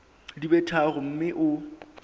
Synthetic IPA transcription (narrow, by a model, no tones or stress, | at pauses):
dibɛtʰarʊm̩mɪʔʊ